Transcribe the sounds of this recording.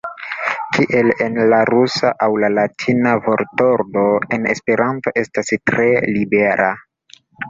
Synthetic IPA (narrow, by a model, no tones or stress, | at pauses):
kʰiʔe̞le̞nlaɾusaʔawlalatʰinavoɾtoɾdo̞ene̞̰spe̞ɾanto̞ʔe̞stastɾe̞libeɾa̰